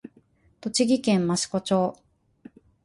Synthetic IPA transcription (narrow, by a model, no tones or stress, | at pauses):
t̪o̞t͡ɕiɡʲikẽ̞mmaɕi̥ko̞t͡ɕo̞ː